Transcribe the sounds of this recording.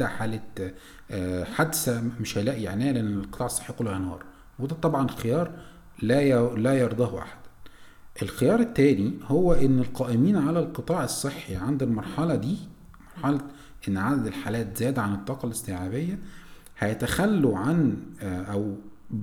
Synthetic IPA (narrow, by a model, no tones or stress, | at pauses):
æħaːlæː | ħad̪sæmeʃhæjlæʔja̰ʕnæːleʔænːelqɨt̪ˤɑːʕesˤːe̥ħːikolːhænwɑ̰ːɾˤ | wed̪æt̪ˤːɑbʕɑnelxejɑːɾˤ | lælæjɑɾˤd̪ˤɑhʔa̰ħḁd̪æ | ʔelxejɑːɾˤet̪ːæːnihowːæʔenːelqɑːʔɪmiːnʕalælqɨt̪ˤɑːʕesˤːeħːiʕand̪elmɑɾˤħɑlɑd̪iː | mɑɾˤħɑlɑ | ʔenːʕad̪æd̪elħaːlæːt̪zæːd̪æʕanet̪ˤːɑːqɑlest̪eʕaːbejːæ | hæjæt̪æxælːuʕanʔæw